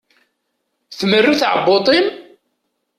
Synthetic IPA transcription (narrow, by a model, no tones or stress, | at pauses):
θmərːuθʕə̰bːot̪ˤin